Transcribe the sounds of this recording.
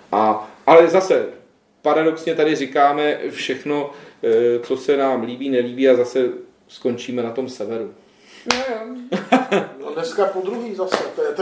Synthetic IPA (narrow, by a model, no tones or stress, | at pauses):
ʔaʔalɛzasɛ | paɾado̞ksɲɛt̪adɪrɪkaːmɛfʃɛxno̞ | t͡so̞sɛnaːmliːbiːnɛliːbiːazasɛ | sko̞nt͡ʃiːmɛnat̪o̞msɛvɛɾu | nojo | nonɛskapod̪ɾuɦiːzasɛt̪ojɛt̪